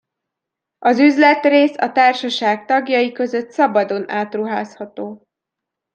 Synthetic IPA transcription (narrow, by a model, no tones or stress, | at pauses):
ɒzyzlɛt̪reːsɒ̰t̪aːrʃɒʃaːk̚t̪ɒɡjɒjikø̞zø̞t̪sɒbɒd̪o̞nʔaːt̪ruɦaːshɒt̪oː